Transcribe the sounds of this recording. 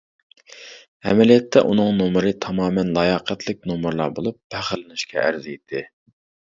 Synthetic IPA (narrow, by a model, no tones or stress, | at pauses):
ɛ̰mɛlijɛt̪ʰːɛʔunɨŋnomɨɾɨt̪ʰɑmɑːmɛnlˠɑjɑqʰæt̪ʰlɪk̚ʲnomɨɾlˠɑ̰ɾbolˠup̚ːæχəlɪnɪʃkʲʰɛ̰ʔæ̰ɾzɪid̪ʰɪ